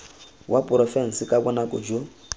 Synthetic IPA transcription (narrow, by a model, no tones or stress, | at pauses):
wapʼʊɾɔfɛn̩sikʼakɔnakʼɔd͡ʒo